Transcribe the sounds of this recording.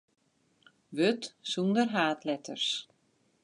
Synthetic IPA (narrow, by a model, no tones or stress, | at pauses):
vʏt̪sund̪əɾɦaːt̪lɛt̪ər̥s